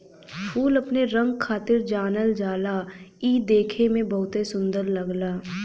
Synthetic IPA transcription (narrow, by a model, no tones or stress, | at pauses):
pʰuːlɐpneɾə̃ŋɡkʰːaːt̪ɪɾd͡ʒaːnəld͡ʒaːlaiːd̪eːkʰemẽbɐɦʊt̪esʊ̃nd̪əɾləɡlaː